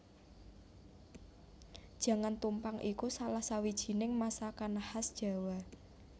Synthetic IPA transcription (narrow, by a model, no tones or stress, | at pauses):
d̥ʒ̥ä̤ŋant̪umpaŋʔikusalahsawid̥ʒ̥i̤nɪŋmasakanahasd̥ʒ̥a̤wa